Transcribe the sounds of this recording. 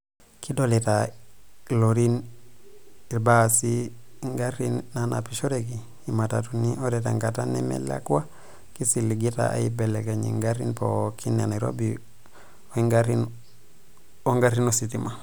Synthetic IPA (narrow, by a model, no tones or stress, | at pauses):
kʰidolita | loɾin | iɾbasi | ŋɡaɾinːanʔa̰piʃoɾeɡiː | matatunioɾeta̰ŋɡatanḛmḛla̰kuwa | kisiliɡita̰ʔa̰ibeleɡaɲḭŋɡaɾinpo̰kʰineniɾo̰bi | oiŋɡaɾin | oŋɡaɾinositima